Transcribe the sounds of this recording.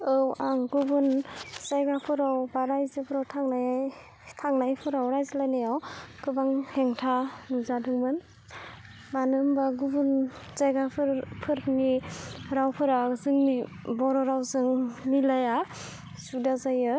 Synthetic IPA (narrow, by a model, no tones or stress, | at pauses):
ɯwaŋɡubunsajɡapʰɯɾawbaɾajzɯpʰɯɾawtʰaŋnaj | tʰaŋnajpʰɯɾawɾajzɯlajnajawkɯbaŋheŋtʰanuzadɯŋmɯn | manɯmbaɡubunzajɡapʰɯɾpʰɯɾmiɾawpʰɯɾazɯŋmi | bɔɾɔɾawzɯŋmilaja | sudazajɯ